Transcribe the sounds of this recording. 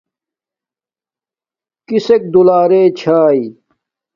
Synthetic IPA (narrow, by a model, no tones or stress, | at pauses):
kisek̚d̪ulaːɾeːt͡ɕʰaːi